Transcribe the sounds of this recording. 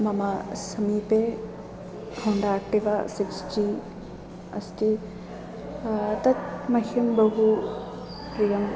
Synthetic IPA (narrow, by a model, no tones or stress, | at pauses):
mɐmasɐmipe | hoɳɖaːk̚ʈiʋasikst͡ʃi | ɐ̰st̪i | t̪ɐt̪̚mɐhɐmbɐɦu | ɾijɐm